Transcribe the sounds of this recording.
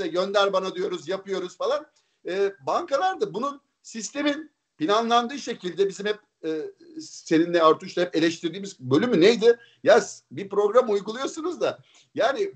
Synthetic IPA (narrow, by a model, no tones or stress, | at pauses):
ɛɟø̞nd̪æɾbanad̪yjo̞ɾuzjapɯjo̞ɾuz̥falˠan | ɛːbaŋkalˠaɾd̪abunun | sist̪ʰe̞min | pinanlˠand̪ɯːʃe̞cʰilʲd̪ɛbizimhɛp̚ː | se̞ninlɛaɾt̪ʰuʃt̪ˠahɛpelʲɛʃt̪ʰiɾd̪iːmizbø̞lʲymynejd̪ɪ | jaz̥bipɾo̞ɡɾamujɡulˠujo̞sunɯzd̪a | jaːnɪ